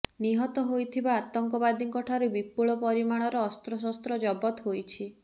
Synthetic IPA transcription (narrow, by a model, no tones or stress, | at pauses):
niɦɔt̪ɔɦojt̪ʰibaːt̪ɔŋkɔbad̪iŋkɔʈʰaɾubipuɭɔpɔɾimaɽ̃ɔɾɔːst̪ɾɔs̬ɔst̪ɾɔd͡ʒɔbɔt̪ɦojt͡ʃʰi